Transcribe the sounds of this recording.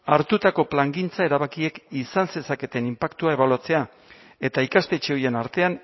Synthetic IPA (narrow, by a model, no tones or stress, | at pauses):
aɾt̪ut̪ako̞plaŋɡint͡sae̞ɾaβakie̞kisanse̞sake̞t̪e̞nimpakt̪uae̞βaluat͡se̞a | e̞t̪aikast̪e̞t͡ʃe̞o̞je̞naɾt̪e̞an